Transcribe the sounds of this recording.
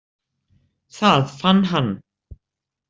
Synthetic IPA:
θaːðfanɦan

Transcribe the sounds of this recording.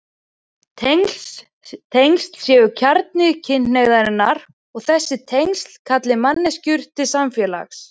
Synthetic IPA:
ŋ | t̪ʰejŋst̪l̥sjɛːvʏcʰaɾt̪̚nɪcʰɪneɣðaɾɪnːaɾ | ɔɣθɛsːɪt̪ʰejŋst̪l̥kʰat̪lɪmanːɛscʏɾ̥t̪ʰɪsamfjɛla̰xs

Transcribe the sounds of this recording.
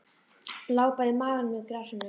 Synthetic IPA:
laːwpaɾɪmaːðanmɛkɾasanʏ

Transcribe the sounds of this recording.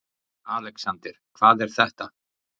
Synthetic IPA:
aːlɛksant̪ɪɾ̥kʰvaːðɛɾ̥θɛht̪a

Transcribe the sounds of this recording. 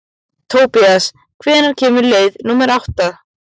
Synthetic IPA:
t̪ʰoːwpias | kʰvɛːnaɾcʰɛːmʏɾleːjðnuːmɛɾawht̪a

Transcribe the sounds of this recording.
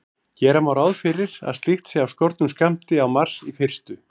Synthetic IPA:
cɛːɾamawɾawðfɪɾɪɾa̰ðst̪ixt̪sɪawskɔɾt̪nʏmskɛm̥t̪ɪawmaɾ̥sifɪr̥st̪ʏ

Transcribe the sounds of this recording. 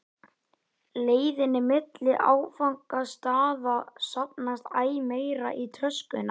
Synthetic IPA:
leːjðɪnɪmɪt̪lɪʔaːwfawŋkast̪aːðasap̚nast̪aːjmeːjɾa̰ʔit̪ʰɾœskʏna

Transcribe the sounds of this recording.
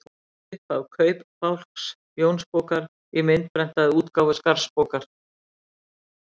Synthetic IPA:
ɪhpawkʰœːɥpfawl̥ks | jownspoːwkaɾ | imɪnt̪̚pɾɛn̥t̪aðɪuːt̪kawvʏskaɾspoːkaɾ̥

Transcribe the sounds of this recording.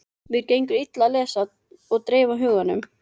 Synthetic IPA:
vɪɾkaiŋkʏɾɪt̪lalɛːsa | ɔɣt̪ɾeːvaɦʏːɣanːʏm

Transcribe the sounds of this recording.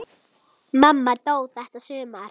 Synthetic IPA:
mamːat̪oːwθɛht̪asʏːmaɾ

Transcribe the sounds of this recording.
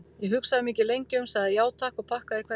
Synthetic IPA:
jɛɦʏksaðɪmiːcɪlejɲcɪʏmsaɣðɪjaːwt̪ʰaːhkɔɣpʰahkaðɪkʰvɛ

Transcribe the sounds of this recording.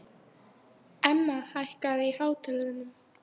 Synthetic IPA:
ɛmːahajhkaðihaːwt̪ʰɛlɪnʏm

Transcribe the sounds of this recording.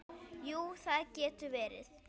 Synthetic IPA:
juːθaðcɛːt̪ʏvɛːɾɪ̰θ

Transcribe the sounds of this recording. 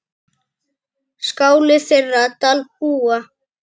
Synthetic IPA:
skaːwlɪθɪrːat̪alp̚uːa

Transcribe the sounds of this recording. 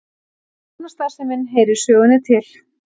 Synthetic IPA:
anast̪aːsɛmɪnɦeːjɾʏɾ̥sœːɣʏnːɪt̪ʰɪl̥

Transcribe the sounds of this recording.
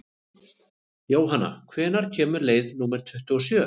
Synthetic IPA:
joːwɦanːa̰kʰvɛːnaɾ̥cʰɛːmʏɾleːjðnuːmɛɾ̥t̪ʰʏht̪ʏɔsjœː

